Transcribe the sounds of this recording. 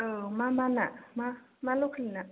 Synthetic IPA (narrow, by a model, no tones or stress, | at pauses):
əmamanamamalokʰlina